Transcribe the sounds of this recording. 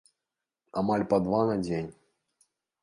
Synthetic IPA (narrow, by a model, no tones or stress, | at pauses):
amalʲpad̪vanad͡zʲenʲ